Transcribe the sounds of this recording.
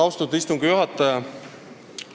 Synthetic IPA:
ɑwst̪ud̪ist̪uŋɡ̥ijuɦɑt̪ːˑɑjɑ

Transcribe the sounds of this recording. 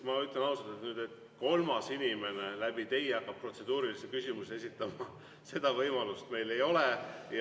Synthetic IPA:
mɑyt̪ːˑlenɑusɑt̪et̪nyːd̪̥e̞t̪ | ko̞lmɑsinime̞nelæb̥it̪e̞jɑkːˑɑb̥̚pro̞t̪se̞d̪uːɾilisekysʲimusee̞s̬it̪ːˑɑmɑ | se̞d̪̥ɑvɤjmɑlust̪me̞jle̞jo̞lej

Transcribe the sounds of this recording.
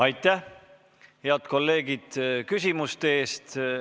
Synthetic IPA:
ɑjt̪ˑːæh | heɑt̪ko̞lːe̞ːɡ̥id̪̥kys̬ʲimust̪eeːst̪

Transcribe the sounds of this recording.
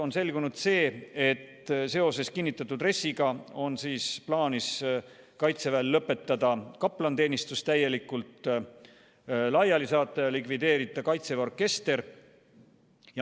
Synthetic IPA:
o̞nse̞lɡunud̪̥se̞ːet̪ːse̞o̞se̞skinːit̪ːˑɑt̪ːˑud̪re̞sːiɡ̥ɑo̞nsiːsplɑːnis | kɑjt̪se̞vælːɤpːˑe̞t̪ˑːɑd̪̥ɑkɑpːlɑnt̪e̞ːnist̪ust̪æje̞likːult̪ | lɑjɑlisɑːt̪ːˑɑjɑlikvid̪e̞ːɾit̪ːˑɑkɑjt̪se̞o̞rkːˑe̞st̪e̞ɾ | jɑ

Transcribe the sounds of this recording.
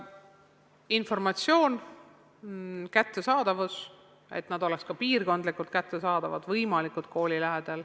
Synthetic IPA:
info̞rmɑt̪sio̞ːn | kæt̪ːe̞sɑːd̪ɑvus | e̞̰t̪nɑd̪o̞lekskɑpiːrko̞nd̪likult̪̚kæt̪ːe̞sɑːd̪̥ɑvɑ̰d̪vɤjmɑlikult̪̚ko̞ːlʲilæɦed̪̥el

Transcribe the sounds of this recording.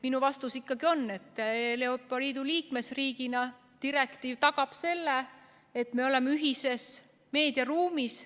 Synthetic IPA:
minuvɑst̪usikˑːɑɡio̞nːe̞t̪ːˑleopːˑɑliːd̪uliːkme̞sriːɡ̥inɑ | t̪iɾe̞kt̪iːvt̪ɑɡ̥ɑb̥se̞lːe | et̪me̞o̞lemːeyɦise̞s | me̞ːd̪̥iɑruːmis

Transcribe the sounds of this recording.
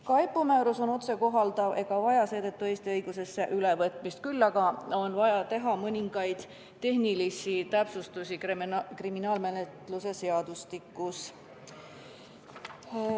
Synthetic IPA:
kɑjpːˑumæːɾuso̞no̞t̪se̞ko̞ɦɑld̪̥ɑve̞ɡ̥ɑvɑjɑse̞ːt̪ət̪ːueːst̪iɤjɡ̥use̞sːeʔylevɤt̪ˑmist̪̚kylːɑɡ̥ɑo̞nvɑjɑt̪e̞ɦɑmɤnʲiŋɡ̥ɑjd̪̥ | t̪ːe̞ɦnilisit̪æpsust̪usʲikriminɑːlme̞net̪luse̞se̞ɑd̪̥ust̪ikːˑus

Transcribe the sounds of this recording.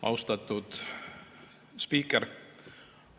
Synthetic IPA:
ʔɑ̰wst̪ɑt̪ːˑud̪̥ | spiːkːeɾ

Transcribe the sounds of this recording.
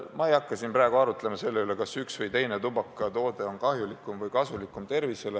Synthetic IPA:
mɑe̞jɑkːˑɑsinpræːɡ̥uɑɾut̪ˑle̞mɑse̞lːe̞ylekɑsyksvɤjt̪e̞jnet̪ubɑkːˑɑt̪o̞ːd̪e̞o̞nkɑɦjulikːˑumvɤjkɑsulikːˑumt̪e̞rvise̞le

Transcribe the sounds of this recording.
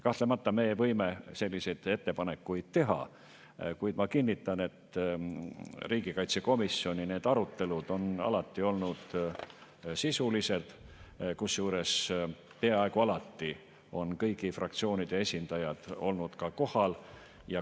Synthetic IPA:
kɑht̪lemɑt̪ːɑme̞ːjvɤjme̞se̞lʲːise̞jd̪̥e̞t̪ːe̞pɑne̞kːujd̪̥t̪e̞ɦɑ̰ | kujd̪̥mɑkinʲːit̪ːˑɑne̞t̪ | riːɡ̥ikɑjt̪seko̞misːio̞nʲine̞ːd̪̥ɑɾut̪ːe̞lud̪̥o̞nɑ̰lɑt̪ːio̞lnud̪̥ | sisulise̞d̪̥kusjuːɾe̞s | peɑɑekuɑlɑt̪ːi | o̞nkɤjɡifrɑk̚t̪sio̞ːnid̪̥e̞esʲind̪̥ɑjɑd̪̥o̞̰lnud̪̥kɑko̞hɑl | jɑ

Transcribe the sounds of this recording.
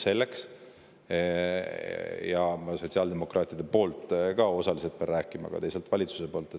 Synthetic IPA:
se̞lːeks | jɑmɑso̞tsiɑld̪e̞mo̞krʔɑːt̪id̪̥epo̞ːlt̪ˑkɑo̞sɑliselt̪̚peɑɾræːkːˑimɑ̰ɡ̥ɑ̰t̪ejselt̪vɑlʲit̪su̥se̞po̞ːlt̪e

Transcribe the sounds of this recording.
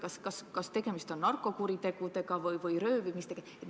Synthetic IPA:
kɑskɑskɑst̪e̞ɡ̥e̞mist̪o̞nnɑrkˑːo̞kuɾit̪e̞ɡ̥ut̪e̞kɑvɤjvɤjrø̞ːvimist̪ekeet̪

